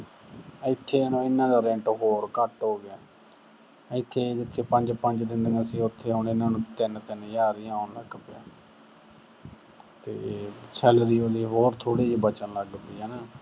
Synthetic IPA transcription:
ɪt̪ʰːeːənũːɪnːãːd̪aːɾɛ̃ɳʈɦoːɾkəʈɦoːɡɪaː | ɪt̪ʰːeːd͡ʒɪt̪ʰːeːpəɲd͡ʒpəɲd͡ʒd̪ɪ̃nd̪ənːsĩːʊt̪ʰːeːaʊnɪnːãːnũːt̪ɪnt̪ɪnjaːɾɪjãːənləkːpɪja̰ː | t̪ḛːsɛːlɾiːoːd̪iːɦoːɾt̪ʰoːɽiːd͡ʒiːbət͡ʃənləɡd̪iːɦɛːnaː

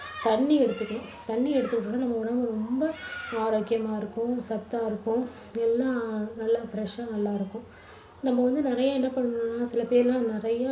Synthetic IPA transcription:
t̪ɐɳːiɛɽɯt̪ːɯkːɐɳʊ̃t̪ɐɳːiɛɽɯt̪ːɯkːʈːnːaːnɐmːɐkɔɽɐɡɐɾɔmbɐaːɾoːkːɪjɐmaːɪɾɯkːʊ̃sɐt̪ːaːɪɾɯkːʊ̃ | ɛlːãːnɐlːaːfɾɛʂaːnɐlːãːɪɾɯkːʊ̃ | nɐmːɐʋɐnd̪ɯnɪɾɐjaːɛnːɐpɐɳːɯnːaːsɪlɐpeːɾɪlãːnɪɾɐja

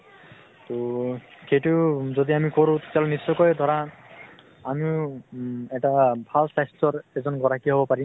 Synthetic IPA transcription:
t̪oxejtuzod̪iamikoɹʊ̃t̪e̥tjalʊnisːɔjkɔjd̪ʱɔɹa | ami | ɛʈabʱalsajstɔɹɛzɔnɡɔɹakiɦobɔpaɹi

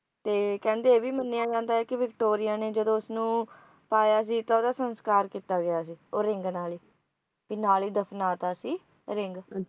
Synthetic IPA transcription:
t̪eːkɛ̃ːnd̪eːeːbiːmənːeːãːd͡ʒãːnd̪aːɦɛːkɪʋɪkʈoːɾɪjaːneːd͡ʒəd̪õːʊsnũː | paːjaːs̬iːt̪aoːd̪aːsənskaːɾkiːt̪aːɡɪjaːsiːoːɾɪ̃ŋɡnaːliː | pinaːliːd̪əpʰnaːt̪aːsiː | ɾɪŋɡ

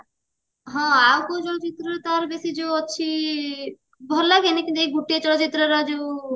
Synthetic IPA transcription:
ɦɔ̃awkot͡ɕɔlot͡ɕit̪ːɾot̪aɾbesid͡ʑootːɕʰi | bʱɔɾlaɡenikint̪uejɡuʈːiet͡ɕɔlot͡ɕit̪ːɾoɾad͡ʑo

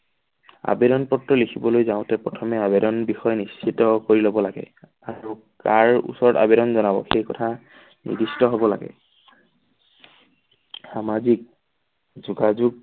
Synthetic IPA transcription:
a̰beɾɔnpɔtɹɔlekʰibɔlojzaʊ̃tɛpɹɔtʰɔmɛabedɔnbixɔjnist͡ʃʰitɔkoɹilobɔlaɡɛ̰ | au | kaɹṵsɔɹɔta̰beɾɔnzɔnabɔ̰xejkɔtʰa | nḭdistɔɦobɔla̰ɡɛ̰ | xamazik̚ | zuɡazuɡ̚

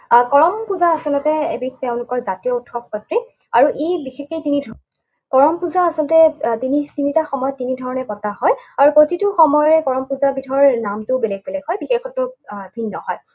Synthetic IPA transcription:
kɔɹɔmpuzaasɔlɔtɛḛbiteʊ̃lʊkɔɹzatijɔutʰɔk̚pɔtɹi | aɹuʔebixexetinidʱ | kɔɹɔmpuzaːsɔlɔtɛtinitinitaxɔmɔjɔtːinidʱɔɹɔnɛpɔtaɦɔjaɹupotitʊxɔmɔjɔɹɛkɔɹɔmpuzabitʰɔɹnamtʊbɛlɛɡ̚bɛlɛɡɦɔjbixexʰɔtːʊbʱinːɔhɔj

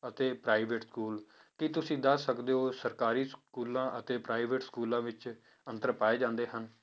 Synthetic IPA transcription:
ət̪eːpɾaːiːʋeʈskuːl | kɪt̪ʊsĩːd̪əəkd̪eːoːsəɾkaːɾiːskuːlãːʔət̪eːpɾaːiːʋeʈskuːlãːʋɪt͡ʃ | ənt̪əɾpaːeːd͡ʒãːnd̪eːɦən

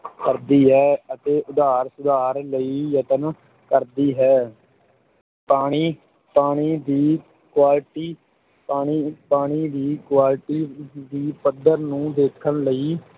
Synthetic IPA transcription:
kəɾd̪iːɦɛːət̪eːʔʊd̪aːɾsʊd̪aːɾləiːjət̪ən | kəɾd̪iːɦɛː | paːɽ̃iː | paːɽ̃iːd̪iː | kwaːlʈiː | paːɽ̃iːpaːɽ̃iːd̪iːkwaːlʈiːd̪iːpəd̪əɾnũːd̪eːkʰəɳləiː

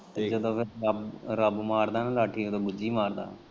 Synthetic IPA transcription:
t̪eːd͡ʒəd̪õːpʰɪɾəbɾəbmaːɾd̪aːnãːlaːʈʰiːod̪õːbʊd͡ʒiːmaːɾd̪a̰ː

